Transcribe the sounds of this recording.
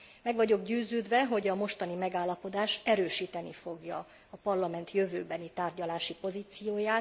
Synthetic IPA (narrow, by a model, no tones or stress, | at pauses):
mɛɡʋɒɟo̞ɡɟøːzøːd̪ʋɛɦo̞ɟɒmo̞ʃt̪ɒnimɛɡaːlːɒpo̞d̪aːʃɛɾøːʃiːt̪ɛnifo̞ɡjɒ | ɒpɒrlɒmɛnt̪jøvøːbɛnit̪aːrɟɒlaːʃipo̞ziːt̪sijoːjaːt̪